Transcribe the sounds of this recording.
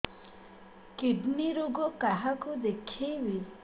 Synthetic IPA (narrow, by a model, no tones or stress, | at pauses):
kiɖniɾuɡɔkaɦakud̪ekʰijwi